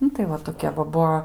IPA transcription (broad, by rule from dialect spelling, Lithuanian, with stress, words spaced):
ˈnʊ tɐɪ ˈʋɐ toːˈkʲɛ ʋɐ ˈbuɔ